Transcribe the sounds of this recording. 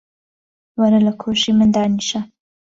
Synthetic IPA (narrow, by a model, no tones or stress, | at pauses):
waɾalakʰoʃimənd̪ɑniʃa